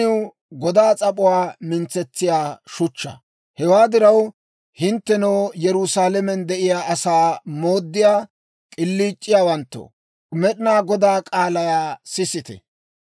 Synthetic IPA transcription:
ɪw | ɡɔd̪aːt͡sʼɐpʼʊwaːmɪnt͡sːɛt͡sːɪjaːʃʊt͡ʃːɐ̰ | hɛwaːd̪ɪɾɐw | hɪnt̪ːɛnɐwjɛɾʊsaːlɛmɛnd̪ɛʔɪjaːʔɐsaːmoːd̪ːɪjaː | kʼɪlːiːt͡ʃʼːɪjaːwɐnt̪ːɔ̰ | mɛɗɪnaːɡɔd̪aːkʼaːlɐjaːsɪsɪt̪ɛ̰

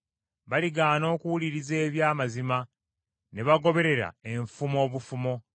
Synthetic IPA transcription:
βaliɡaːno̞ːkuwuliɾize̞ːβjaːmazima | ne̞βaɡo̞βe̞ɾe̞ɾa̰e̞ɱfumo̞ːβufumo̞

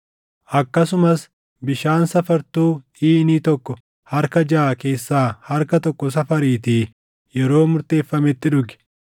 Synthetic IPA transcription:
ʔɐkːɐsʊmɐs | bɪʃaːnsɐfɐɾt̪uː | iːniːt̪ɔkːɔ | hɐɾkɐd͡ʒaːke̞ːsːaːhɐɾkɐt̪ɔkːɔs̬ɐfɐɾiːt̪iː | jɛɾo̞ːmʊɾt̪e̞ːfːɐmɛt̪ːɪᶑʊɡɛ̥

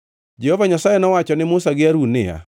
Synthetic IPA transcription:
d͡ʒɛhɔvaɲasajenɔwat͡ʃɔnɪmʊsaɡɪaɾunɪja̰

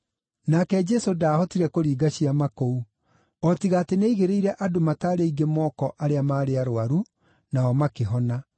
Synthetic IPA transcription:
nakɛd͡ʒɛsodaːhɔtiɾɛkoɾiːɡaɕiamakou | ɔtiɣaːteneiɣeɾeiɾɛʔadomataːɾeiɡemɔːkɔʔaɾeamaːɾeaɾoaɾu | naɔmakeɦɔna

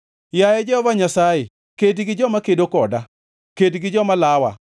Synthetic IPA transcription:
jajɛd͡ʒɛɔvaɲasaje | kedɡɪd͡ʒɔmakedokɔda | kedɡɪd͡ʒɔmalawa̰

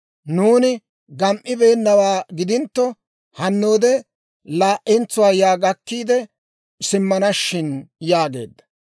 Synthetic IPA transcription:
nuːnɪ | ɡɐmʔɪbe̞ːnːɐwaːɡɪd̪ɪnt̪ːɔ | hɐnːoːd̪ɛ | laːʔɛnt͡sːʊwaːjaːɡɐkːiːd̪ɛ | sɪmːɐnɐʃːɪnjaːɡe̞̰ːd̪ːɐ̥

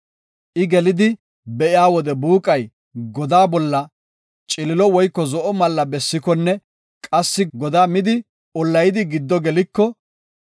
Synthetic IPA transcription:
ʔɪɡɛlɪd̪ɪ | bɛʔɪaːwɔd̪ɛbuːkʼɐj | ɡɔd̪aːbɔlːɐ | t͡ʃʼɪlɪlɔwɔjkːɔzɔʔɔmɐlːɐbɛsːɪkɔnːɛ | kʼɐsːɪɡɔd̪aːmɪd̪ɪ | ɔlːɐjɪd̪ɪɡɪd̪ːɔɡɛlɪkːɔ

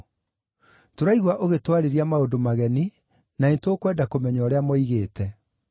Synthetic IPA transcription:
toɾaiɣwaʔoɣetwaɾeɾiamaodomaɣɛni | naentoːkwɛdakomɛɲɔːɾeamɔiɣeːtɛ

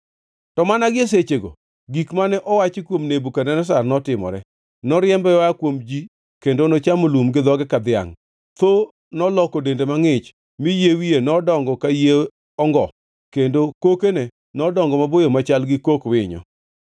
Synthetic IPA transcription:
tɔmanaɡɪes̬et͡ʃeɡo̰ | ɡikmanɛʔɔwat͡ʃɪkwomnebukanɛnɔs̬arnɔtɪmɔ̰ɾɛ | nɔɾɪɛmbɛjwakwomd͡ʒi | kendonɔt͡ʃamolumɡɪd̪ɔɡɛkad̪ja̰ŋ | t̪o | nɔlɔkodendemaŋɪt͡ʃ | mɪjewijenɔdɔŋɡɔkaje | ɔŋɡɔ | kendokokene | nɔdɔŋɡɔmabojomat͡ʃalɡɪkokwɪ̰ɲɔ̰

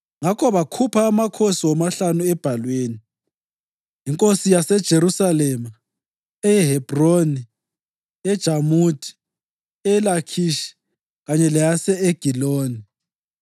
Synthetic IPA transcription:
ŋakʰɔβakʰupʰaːmakʰosiwɔmaɬanuɛb̥ʱalweːni | jiŋkʼosijasɛd̥ʒ̥ʱeɾusalɛma | ɛɛɦɛb̥roni | ɛd̥ʒ̥ʱamutʰʼi̥ | ɛlakʰiʃi̥ | ɣaɲɛlɛjasɛeɡ̥ʱiloːni

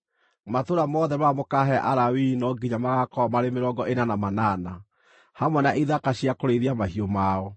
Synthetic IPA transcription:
matoɾamɔðɛmamokaɦɛʔaɾawinɔɡiɲamaɣakɔmaɾemeɾɔɡɔʔenanamanaːna | hamwɛnaʔiðakaɕiakoɾeɾiamaɦiomaɔ

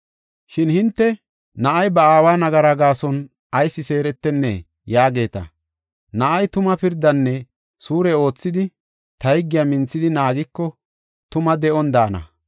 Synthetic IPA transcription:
ʃɪnhɪnt̪ːɛ | nɐʔɐjbɐaːwaːnɐɡɐɾaɡaːsɔn | ɐjsːɪse̞ːɾɛt̪ːɛnːɛ̰ | jaːɡe̞ːt̪ɐ̰ | nɐʔɐjt̪ʊmɐpɪɾd̪ɐnːɛ | suːɾɛo̞ːt͡sːɪd̪ɪ | t̪ɐjɡːɪjamɪnt͡sːɪd̪ɪnaːɡɪkːɔ | t̪ʊmɐd̪ɛʔɔnd̪aːnɐ̰

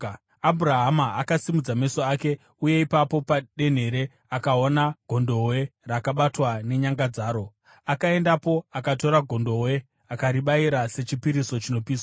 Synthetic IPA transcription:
abʱuɾaɦamaakasimud͡zame̞so̞ake̞ | uje̞ipapo̞paɗe̞n̤e̞ɾe̞ | akaonaɡ̥ʱo̞ndo̞we̞rakaɓatwane̞ɲaŋɡad͡zaːɾo̞ | akae̞ndapo̞akato̞ɾaɡʱo̞ndo̞we̞ | akaɾiɓaiɾase̞t͡ʃipiɾiso̞t͡ʃino̞piːswa

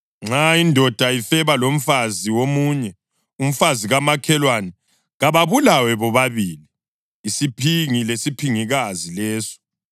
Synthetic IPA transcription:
ŋ͡ǁaindʱɔd̥ʱaifɛβalom̩faziwomuɲɛ | um̩faziɣamakʰɛlwanɛ | ɣaβaβulawɛβɔβaβiːliː | sipʰiŋilesipʰiŋiɣazilɛːsɔ̥

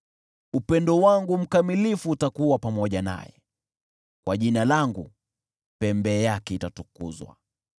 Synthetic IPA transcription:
upɛndɔwaŋɡum̩kamilifuːtakuwapamɔʄana̰jɛ̰ | kwaʄinalaŋɡṵ | pɛmbɛːjakɛitatukṵzwa̰

